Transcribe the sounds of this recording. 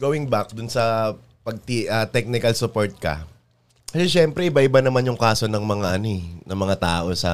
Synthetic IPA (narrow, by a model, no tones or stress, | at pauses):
ɡowɪŋbak̚d̪ʊnsɐ | pɐɡ̚t̪iʔɐt̪ɛk̚nɪkɐlsʊpoɹt̪̚kɐ̰ | kɐsɛʃɛmpɾɛɪbaʔɪbanɐmanjʊŋkaːso̞nɐŋmɐŋaʔɐnoɛnɐmɐŋat̪aːʔo̞sɐ̰